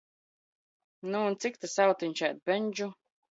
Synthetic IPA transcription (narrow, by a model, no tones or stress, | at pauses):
nuːnt̪sik̚t̪asawt̪iɲʲt͡ʃajt̪̚bɛɲʲd͡ʒu